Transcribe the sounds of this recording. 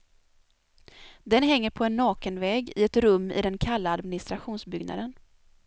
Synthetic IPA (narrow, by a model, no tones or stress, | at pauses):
d̪ɛnɦɛŋːəɾpʰɔɛnːɑːkənvɛːɡɪ̰ɛt̪ɾɵmːɪ̰d̪ɛnkʰalːaːd̪mɪnɪst̪ɾaɧuːnsbʏɡna̰d̪ən